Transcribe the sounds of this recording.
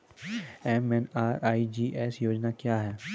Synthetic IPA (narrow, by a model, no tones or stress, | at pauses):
ɛmɛnaːɾʔaːid͡ʒiːʔɛːsjoːd͡ʒnakjaːɦɛː